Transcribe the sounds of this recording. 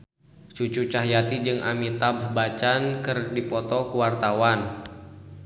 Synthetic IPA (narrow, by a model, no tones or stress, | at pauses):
t͡ʃut͡ʃut͡ʃaɦjat̪id͡ʒɨŋʔa̰mit̪abbat͡ʃankɨrdipɔt̪ɔkuwart̪awan